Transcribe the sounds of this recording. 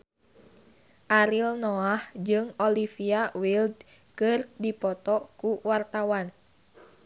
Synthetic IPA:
ʔaɾilnɔahd͡ʒɨŋɔlifiawild̚ | kɨrdipɔt̪ɔkuwart̪awan

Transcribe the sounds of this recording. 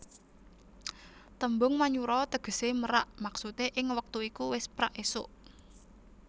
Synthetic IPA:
t̪əmbʊŋmaɲuɾɔt̪əɡ̥ə̤seməɾaʔmaksut̪eʔɪŋwək̚t̪uikuwɪspɾaʔesʊʔ

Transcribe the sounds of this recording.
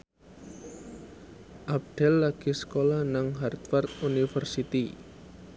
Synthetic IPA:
ʔab̚ɖ̥ɛlːaɡ̥isə̥kolanaŋɦart̪fɛrt̪unifərsit̪i

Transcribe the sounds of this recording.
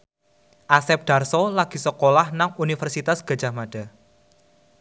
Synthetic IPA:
ʔasɛp̚ɖ̥a̤rsɔlaɡ̥i̤səkolahnaŋunifərsit̪asɡ̥a̤̥d͡ʒ̥a̤hmaɖ̥a̤

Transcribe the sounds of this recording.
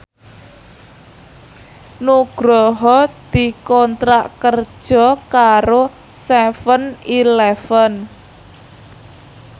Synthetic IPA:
nuɡ̥ɾɔɦɔd̪̥i̤kɔnt̪ɾaʔkər̥ʒ̥ɔ̤kaɾo | sɛfənilɛfən

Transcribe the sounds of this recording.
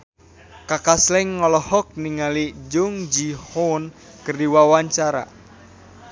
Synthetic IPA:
kakaslɛŋːɔlɔhɔk̚niŋalid͡ʒʊŋd͡ʒihɔn | kərdiwawaɲt͡ʃaɾa̰

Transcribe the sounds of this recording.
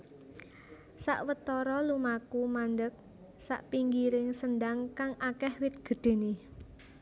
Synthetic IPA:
sa̰ʔwət̪ɔɾɔlumakumand̪ək̚ | sa̰ʔpiŋɡiɾɪŋsənd̪aŋkaŋʔakɛhwɪt̪̚ɡ̥ə̤ɖ̪̥e̤ne

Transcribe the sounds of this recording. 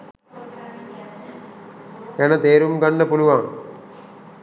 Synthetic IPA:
enɐt̪eːɾumɡɐɳːəpuluʋaŋ

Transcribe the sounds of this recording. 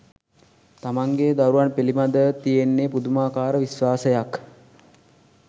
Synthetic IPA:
t̪amaŋɡed̪aɾuʋanpelimad̪ət̪ijenːepud̪umaːkaːɾəʋisʋaːsəjak

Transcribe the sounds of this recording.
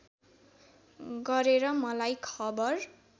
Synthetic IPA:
ɡʌɾeɾʌmʌlajkʰʌbʌr

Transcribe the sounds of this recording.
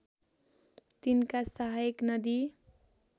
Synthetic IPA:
t̪inkasʌɦajeknʌd̪i

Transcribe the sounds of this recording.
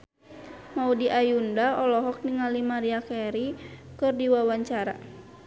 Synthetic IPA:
maudiʔajundaɔlɔɦɔk̚niŋalimaɾiakɛɾikɨrdiwawaɲt͡ʃaɾa̰

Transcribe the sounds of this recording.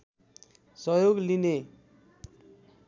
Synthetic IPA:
sʌjoɡline

